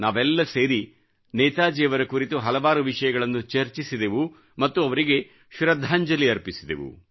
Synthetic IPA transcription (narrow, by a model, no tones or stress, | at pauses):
naːʋɛlːɐse̞ːɾi | nɛːt̪aːd͡ʒɛːʋɐɾɐkuɾit̪uɦɐlɐʋaːɾuʋiʂɐjɐɡɐɭɐnːut͡ʃɐɾt͡ʃisid̪eʋu | mɐt̪ːuɐʋɐɾiɡe̞ | ʃuɾɐd̪ʱaːɲd͡ʒɐliɐɾpisid̪ḛʋṵ